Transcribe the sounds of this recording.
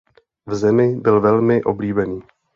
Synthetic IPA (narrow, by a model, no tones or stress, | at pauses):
vzɛmɪbɪlvɛlmɪʔo̞̰bliːbɛniː